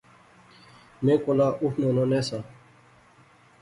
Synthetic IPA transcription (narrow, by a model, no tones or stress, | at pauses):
mẽːkolaːʔuhnoːnoːneːsaː